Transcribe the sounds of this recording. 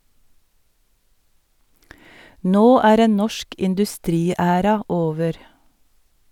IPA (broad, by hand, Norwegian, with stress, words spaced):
ˈnoː ˈæːɾ ˈeːn ˈnɔʃk ɪndʉˈstɾiːˌæːɾɑ ˈoːʋəɾ